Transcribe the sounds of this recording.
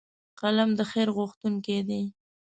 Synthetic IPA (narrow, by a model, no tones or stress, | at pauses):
qalamd̪əxeɾɣʊxt̪uŋked̪e